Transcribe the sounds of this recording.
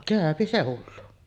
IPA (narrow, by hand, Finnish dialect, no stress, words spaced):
kæˑøpi se hulːu